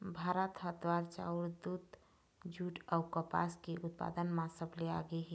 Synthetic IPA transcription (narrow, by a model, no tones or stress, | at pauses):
bʱaɾət̪ɦət̪ʋaɾt͡ʃa̰uɾd̪ud̪ | d͡ʒuʈawkəpa̰skeʔut̪̚pa̰d̪ənmãsəbleaɡeɦe